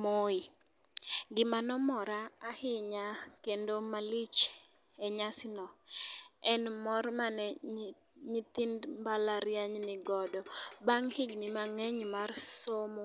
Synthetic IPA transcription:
moi | ɡɪmanɔmɔɾaːhɪɲakendomalit͡ʃ | ɛɲasɪnɔ | ɛnmɔrmanɛ | ɲit̪indmbalaɾjaɲnɪɡɔdɔbaŋhɪɡnimaŋɛɲmarsomo

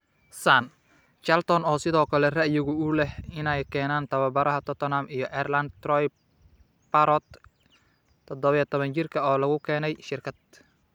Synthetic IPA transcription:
saːn | t͡ʃɐlt̪ʰɔnɔːsɪðɔːkʰɐlɛrɐʔjɪɣʊʊlɛhɪnɛjkʰɛːnaːnt̪ʰɐβɐbɐɾɐɦɐt̪ʰɔt̪ʰɔnamijɞʔɛrlɐnd̪t̪rɔj | pɐɾɔt̪ | t̪ʰːɔd̪ɔβɐjɛt̪ʰɔβɐnt͡ʃɪrkʰɐɔːlɐɣʊkʰɛːnɛjʃɪrkʰɐd̪̚

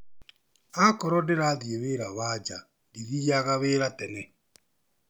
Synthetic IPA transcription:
akɔɾɔdeɾaðieβeɾaβad͡ʒa | diðiaɣaβeːɾatɛnɛ

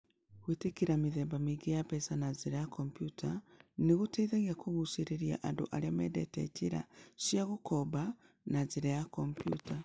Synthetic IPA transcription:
ɣwitekiɾamiðeːmbamiɡejapesanaziɾajakʰompjutʰaniɣuteiðaɣiakuɣusiɾeɾia̰ʔando̰ʔaɾiamedetḛciɾa̰ʃiaɣukoba | naziɾajakompjṵta

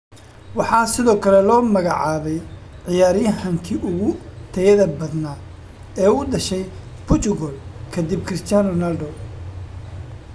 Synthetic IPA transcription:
wɑħɑːsɪðɔːkʰɐlɛlɔːmɐɣɑʕɑːβɛjʕɪjaːɾɪjɦɐŋkʰiʔʊɣʊt̪ʰɐjɐðɐbɐd̪naː | ɛːʊɖɐʃɛj | pʰʊt͡ʃ̪ʊɣɔlkʰɐd̪ib̚kʰɾɪst̪ʰjanɔnɐlɖɔ

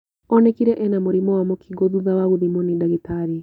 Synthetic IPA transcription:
ɔnɛkiɾɛʔɛnamoɾimɔwamɔkʰiɡoðuðawaɣuðimonidaɣitaɾi

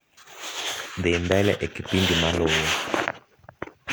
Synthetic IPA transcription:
ɗɛndalɛ̰ʔekipindimalɔwɔ

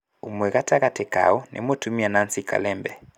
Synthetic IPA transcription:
umwɛɣataɣatɛka̰ɔnʔɛ̰motumianansika̰lɛmbɛ

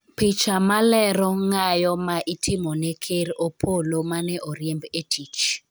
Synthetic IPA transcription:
pɪt͡ʃamalɛɾɔŋajɔmaʔitʰɪmɔnɛkʰeɾopʰolomanɛʔɔɾjɛmbetʰit͡ʃ

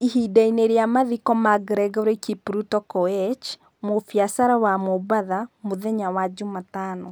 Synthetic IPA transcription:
iɦidaineɾeamaðikɔmaɡɾɛɡɔɾekipɾutɔkɔɛt͡ʃ | mofjasaɾawamobaðamoðɛɲawad͡ʒomatanɔ

